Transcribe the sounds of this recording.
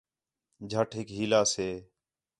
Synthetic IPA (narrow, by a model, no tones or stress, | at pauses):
d͡ʒʱəʈʰɦɪkɦiːlaːseː